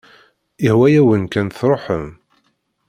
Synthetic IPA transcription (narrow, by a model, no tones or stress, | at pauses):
ihwæjæwənkænθɾˤoħəm